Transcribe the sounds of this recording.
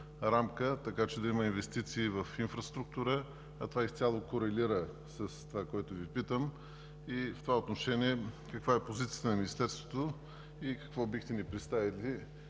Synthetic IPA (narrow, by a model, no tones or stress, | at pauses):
ɾamkət̪ɐkat͡ʃɛd̪ɐiməinvɛst̪it̪siːvɐfinfɾɐst̪ɾuk̚t̪uɾə | ɐt̪ovaist̪sʲalˠokoɾɛliɾə | sɐst̪ovakɔɛt̪ovipit̪əm | ift̪ovaot̪noʃɛniɛkɐkvaɛpozit̪sijət̪ənɐminist̪ɛɾst̪vo̥t̪o | ikɐ̥kvɔbixʲt̪ɛnipɾɛt̪st̪avili